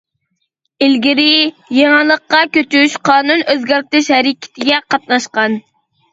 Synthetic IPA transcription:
ɪlɡʲiɾɪ | jeŋɑlˠəqːɑkʲøt̪yʃqʰɑːnunøzɡʲæɾt̪ɪʃhɛɾɪkʲʰɪ̥t̪ʰɪɡʲɛqʰɑt̪̚nɑʃqɑn

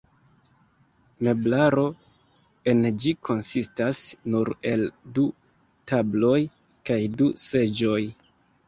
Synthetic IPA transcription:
me̞blaɾo̞ | e̞nd͡ʒikʰo̞nsistasnuɾe̞ldu | tablo̞j | kajduse̞d͡ʒo̞j

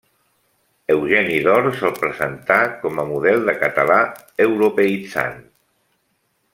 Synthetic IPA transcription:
əwʒɛniðɔɾsɔlˠpɾəzənt̪akɔməmuð̞ɛlˠd̪əkət̪əla | əwɾupəit͡sa̰n

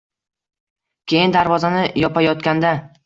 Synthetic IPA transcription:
kʲʰe̞jɪnd̪aɾvɒzanɪjɒpajɒt̪kʲand̪a

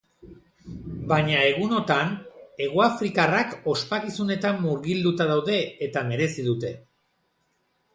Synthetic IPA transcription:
baɲae̞ɣ̞uno̞t̪ane̞ɣ̞oafɾikarako̞spakisune̞t̪amːuɾɣild̪ut̪aðawðe̞ːt̪ame̞ɾe̞siðut̪e̞

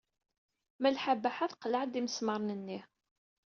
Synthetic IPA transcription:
mælħabːæħaθqlaʕd̪iməsməɾˤnənːih

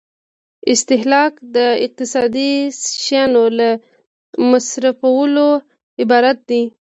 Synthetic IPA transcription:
ɪst̪ɪhlɑkd̪əɪq̚t̪ɪsɑd̪iʃjɑnola | masɾafawəlo | ɪbɑɾat̪̚d̪i

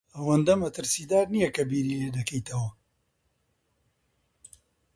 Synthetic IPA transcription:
ɐwɐnd̪ɐmɐt̪ɨɾsiːd̪aːɾnijɐkɐbiːɾiːleːd̪ɐkʰɐjt̪ʰɐwɐ

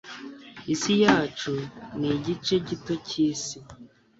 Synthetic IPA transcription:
isijaːt͡ʃuniɟit͡ʃe̞ɟito̞ciːsi

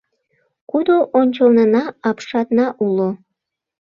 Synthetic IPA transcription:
kud̪oʔonʲt͡ɕəlnənɑɑpʃɑt̪nɑʔulo

